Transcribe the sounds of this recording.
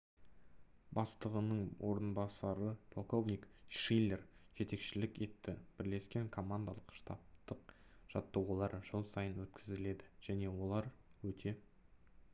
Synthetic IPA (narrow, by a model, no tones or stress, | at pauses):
bɑst̪əʁənəɴwʔo̞ɾənbɑsɑɾəpʰo̞lˠko̞vnʲikʃile̞rʒ̥e̞t̪e̞kʃɪlɪkʲe̞t̪ːɪb̥ɪɾle̞skʲe̞ŋkʰo̞mand̪alˠəqʃt̪ɑ̰p̚t̪əqʒ̥ɑt̪ːowʁɑlˠɑɾʒ̥əlˠsɑjənwɵt̪kʲɪzɪle̞d̪ɪʒ̥æne̞wo̞lˠɑɾwɵt̪ʰe̞